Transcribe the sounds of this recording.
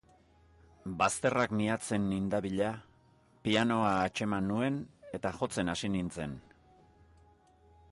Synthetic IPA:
bast̪e̞rakniat͡se̞nːind̪aβiʎa | piano̞aet͡ʃe̞manːue̞ne̞t̪axo̞t͡se̞nasinint͡se̞n

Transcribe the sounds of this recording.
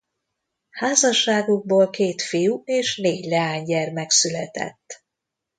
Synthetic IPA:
haːzɒʃːaːɡuɡ̚boːlkeːt̪fijueːʃneːɟlɛaːɲɟɛrmɛksylɛt̪ɛ̰t̪ː

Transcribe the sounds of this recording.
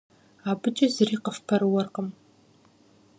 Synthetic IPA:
aːbɨt͡ʃʼɐzɨriːqəfpʰɐɾɨwɔrqəm

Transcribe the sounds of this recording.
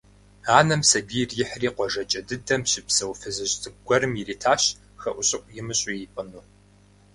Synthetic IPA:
aːnɐmsɐbiːrjɪħriːqʷɔʒɐt͡ʃʼɐdɨdɐmɕɪpsɐwfɨzɨʑtʼɨɡʷɔrɨmjiriːtʰaːɕ | xɐʔʷʊɕʼɪʔʷʼjɪmɨɕʼiipʼɨnuː

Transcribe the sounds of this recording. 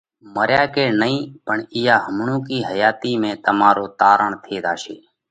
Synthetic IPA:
məɾjaːkeːnəĩːpəɳɪjaːɦəmɳõːkiːɦəjaːt̪iːmẽːt̪əmaːɾoːt̪aːɾəɳt̪ʰeːd̪aːʃḛː

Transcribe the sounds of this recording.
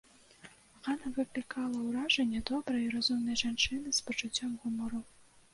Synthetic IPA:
ɣanɐvɨplʲikʰalˠɐwɾaʐɛnʲːɛd̪ɔbɾɐjiɾazumnɐjʐant͡ʂɨnɨspɐt͡ʂʊt͡sʲːɔmɣumɔɾu

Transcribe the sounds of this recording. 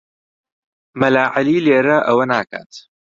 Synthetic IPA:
mɐlaːʕaliːleːɾɐʔɐwɐnaːka̰ːt̪

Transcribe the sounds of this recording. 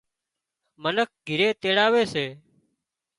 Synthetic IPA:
mənək̚ɡʱɪɾeːt̪eːɽaːʋeːseː

